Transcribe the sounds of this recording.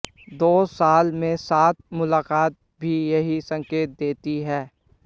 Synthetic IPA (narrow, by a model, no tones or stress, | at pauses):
d̪oːsaːlmẽsaːt̪̚mʊlaːqaːt̪̚ | bʱijɐɦisɐ̃ŋkeːt̪̚d̪eːt̪iɦɛː